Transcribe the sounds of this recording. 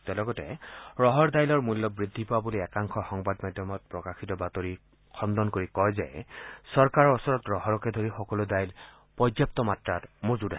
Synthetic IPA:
tɛlɔɡɔtɛ̰ɹɔɦɔɹdajlɔɹmulːɔbɹidʱːipowabuliɛkaŋxʰɔxɔŋbadmajdʱjɔmɔt̚pɹɔkaxitɔbatoɹi | kʰɔndɔnkoɹikɔjzɛ̰sɔɹkaɹɔsɔɹɔtɹɔɦɔɹɔkɛdʱoɹixɔkɔlʊdajl | pɔdjap̚tɔmatɹatmozuda

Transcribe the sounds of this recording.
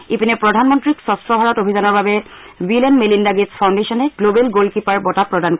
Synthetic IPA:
ipinɛpɹɔdʱanmɔntɹiksɔstɹɔbʱaɹɔtobʱizanɔɹbabɛ | bilɛnmelindaɡedspʰawndesɔnɛɡlobɛlɡolkipaɹbɔtapɹɔdank

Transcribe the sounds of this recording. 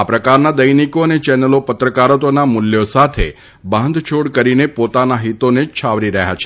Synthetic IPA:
apɾəkaɾnad̪əjnikoənet͡ʃɛnəlopət̪ɾəkaɾət̪onamʊljosat̪ʰe | bãnd̪ʱt͡ʃʰoɽkəɾinepot̪anaɦit̪onet͡ʃʰaʋɾiɾəɦja̰t͡ʃʰe̥

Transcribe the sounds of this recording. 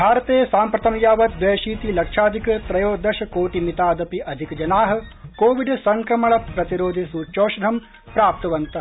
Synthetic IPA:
bʱaːɾɐt̪eːsaːmpɾɐt̪ɐmjaːʋɐt̪ʋ̪ʋɐjɐʃiːt̪ilɐkʂaːd̪ʱikɐt̪ɾɐjoːd̪ɐʃɐkoːʈimit̪aːd̪ɐpiʔɐd̪ʱikd͡ʒɐnaːɦɐ̆koːʋiɖsɐŋkɾɐmɐɭɐpɾɐt̪iɾoːd̪ʱisuːt͡ʃoːʃɐɾʱɐm | pɾaːp̚t̪ɐʋɐnt̪ɐ

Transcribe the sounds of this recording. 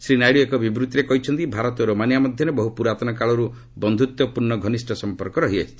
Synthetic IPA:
sɾinajɭiekɔbibɾut̪iɾekɔɦit͡ʃʰɔnt̪ibʱaɾɔt̪ɔɾomanjamɔd̪ʱjɔɾebɔɦupuɾat̪ɔnɔkaɭɔɾu | bɔnd̪ʱut̪wɔpuɾnɔɡʱɔnisʈʰɔsɔmpɔɾkɔɾɔɦiat͡ʃʰi̥t̪ʰii̥

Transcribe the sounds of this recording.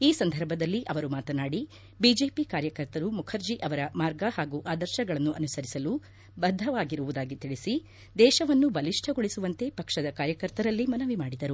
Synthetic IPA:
iːsɐnd̪ʱɐɾbʱɐd̪ɐlːiʔɐʋɐɾumaːt̪ɐnaːɽi | bid͡ʒe̞ːpikaːɾjɐkɐɾt̪ɐɾumukʰɐɾd͡ʒiʔɐʋɐɾɐmaːɾɡɐhaːɡuʔaːd̪ɐɾʃɐɡɐɭɐnːuʔɐnusɐɾisɐlu | bɐd̪ʱːɐʋaːɡiɾuʋud̪aːɡit̪iɭisi | d̪ɛːʃɐʋɐnːubɐliʂʈʰɐɡoɭisuʋɐnt̪e̞pɐkʂɐd̪ɐkaːɾjɐkɐɾt̪ɐɾɐlːimɐnɐʋimaːɽid̪ɐɾu

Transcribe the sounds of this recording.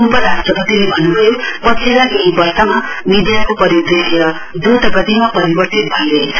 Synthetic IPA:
upʌɾastrʌpʌt̪ilebʱʌnːubʱʌjopʌt͡sʰeɾaɡibʌrsʌma | mid̪jakopʌɾid̪eseɾʌ | d͡zot̪ʌpʌt̪imapʌɾibʌrt̪it̪̚bʱʌnle

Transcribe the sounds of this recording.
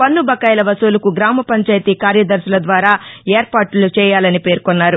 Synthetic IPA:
pɐnːubɐkɐːjlɐʋɐsoːlɐkuɡɾaːmɐpɐɲt͡ʃaːjt̪iːkaːɾjɐd̪ɐɾsulɐd̪ʋaːɾaːeːɾpaːʈulut͡ʃɛːjaːlɐnipe̞ːɾkonːaːɾu

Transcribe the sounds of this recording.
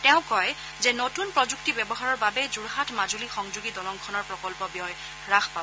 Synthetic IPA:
tɛʊ̃kɔj | zenotunpɹɔzuk̚tibjɛbɔɦaɹɔɹbabɛzuɹɦatʰmazulixɔŋzuɡidɔlɔŋkʰɔnɔɹpɹɔkɔlpɔbjɔj | ɹaxʰpa

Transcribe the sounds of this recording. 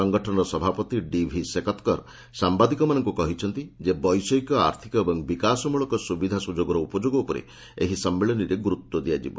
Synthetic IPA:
ɔŋɡɔʈʰɔnɔɾɔsɔbʱapɔt̪iɖibʱisekɔt̪kɔɾ | sambad̪ikɔmanɔŋkukɔɦit͡ʃʰɔnt̪id͡ʒebɔjsɔjkɔa̰ɾt̪ʰikɔebɔŋbikasɔmuɭɔkɔsubid̪ʱasud͡ʒoɡɔɾɔupɔd͡ʒoɡɔupɔɾḛ | eɦisɔmːeɭɔniɾeɡuɾut̪ːwɔd̪ijad͡ʒḭbɔ

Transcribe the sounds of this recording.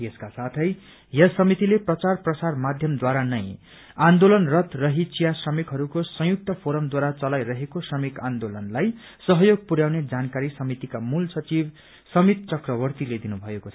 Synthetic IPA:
eskasat̪ʰʌj | jʌsʌmit̪ileprʌt͡sarprʌsarmad̪ʱjʌmd̪waɾanʌj̃ | and̪olʌnrʌt̪rʌɦit͡sijasrʌmikɦʌɾukosʌ̃juk̚t̪ʌpʰoɾʌmd̪waɾat͡sʌlajɾʌɦekosrʌmikand̪olʌnlaj | sʌɦʌjoɡ̚puɾjawned͡zankaɾisʌmit̪ikamulsʌt͡sib | sʌmit̪t͡sʌkrʌβʌrt̪iled̪inubʱʌekot͡sʰʌ

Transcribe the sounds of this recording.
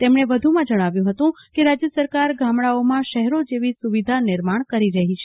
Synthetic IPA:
t̪emɳ̃eʋəd̪ʱumãd͡ʒəɽ̃aʋjũɦət̪ũkeɾad͡ʒjəsəɾkaɾɡʱamɽaomãʃəɦɾod͡ʒeʋisuʋid̪ʱanɪɾmaɳ̃kəɾiɾəɦit͡ʃʰe̥

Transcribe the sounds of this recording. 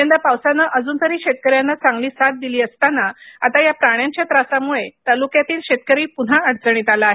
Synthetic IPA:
end̪əpawsanːəʔəd͡zuːnt̪əɾiːɕet̪̚kəɾjanːat͡sãŋɡliːsat̪̚d̪iliːəst̪anaat̪ajapɾaɳ̃jaɲt͡ɕjat̪ɾasamuɭet̪alukjat̪iːlɕet̪̚kəɾiːpun̤aəɽt͡səɽ̃iːt̪alaaɦe

